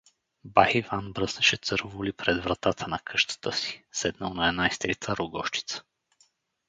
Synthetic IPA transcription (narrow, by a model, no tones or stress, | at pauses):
bahivanbɾəsnɛʃɛt̪sɤɾvolipɾɛd̪vɾat̪at̪ʰənɐkʰɤʃt̪ə̥t̪əsi̥sɛd̪naunaɛnajst̪ɾit̪ʰəɾuɡɔʃt͡ʃi̥t̪sə̥